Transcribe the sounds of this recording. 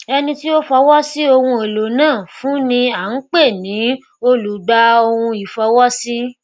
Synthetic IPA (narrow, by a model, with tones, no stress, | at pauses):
ɛ˧nĩ˧ti˦o˦fɔ˧wɔ˦si˦o˧hũ˧e˨lo˨nãː˦˨fũ˨˦nĩ˧a˨n̩˨˦k͡pe˦˨nĩ˨˦ | o˦lu˨˦ɡ͡ba˧o˧hũ˧i˨fɔ˧wɔ˦si˦